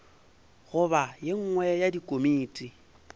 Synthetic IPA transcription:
ɣʊβajeŋ̩ŋwɛjadikʼomiːtʼi

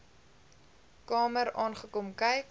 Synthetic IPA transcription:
kɑːməɾɑːnχəkomkɐjk

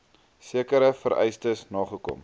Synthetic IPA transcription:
siəkəɾəfəɾʔɛ̰jstəsnɑːχəkɔ̰m

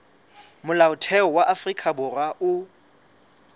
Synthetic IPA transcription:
mʊlaʊtʰɛɔwaʔafrikʰʼabʊraʔʊ

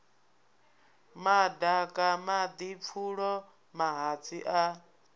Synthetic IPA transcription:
madakʼamad̪ip̪fʰuɺɔ | maɦat͡sʰiʔa

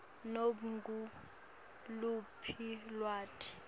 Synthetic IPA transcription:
noɓuŋɡu | lupʰilwaːtʰi̥

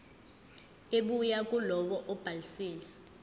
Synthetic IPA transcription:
eɓujakʼulɔɓɔʔɔb̥ʱalisiːlɛ

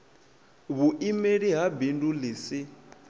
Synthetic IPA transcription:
βuʔimeɺiɦabinduliːsi

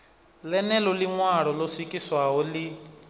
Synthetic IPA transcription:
lɛnɛlɔliŋwaɺɔlɔsikʼiswaɦɔli

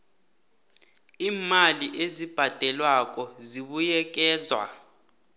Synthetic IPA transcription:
iːmaliʔezib̥ʱad̥ʱɛlwak̬ʼɔziɓujɛk̬ɛːzwa̰

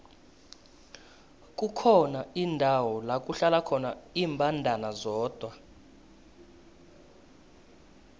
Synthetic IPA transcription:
k̬ʼukʰɔnaindʱawɔlak̬ʼuɬalakʰɔnaiːmbʱandʱanazɔːd̥ʱwa

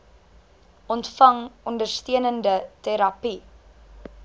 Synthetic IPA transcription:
ʔɔntfɐŋɔndərstiənəndətɛɾɐpi

